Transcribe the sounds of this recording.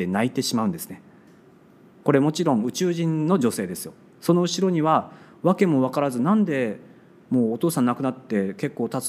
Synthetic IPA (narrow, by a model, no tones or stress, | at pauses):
e̞nait̪e̞ɕimaɯ̟̃nd̪e̞sɨ̥ne̞ | ko̞ɾe̞mo̞t͡ɕiɾõ̞ŋ̃ɯ̟t͡ɕɨːʑĩnno̞ʑo̞se̞ːd̪e̞sɨjo̞ | so̞no̞ɯ̟ɕiɾo̞ɲ̟iβa | βake̞mo̞βakaɾazɨnãnd̪e̞ | mo̞ːt̪o̞ːsãnakɯ̟nat̪ːe̞ke̞kːo̞ːt̪at͡s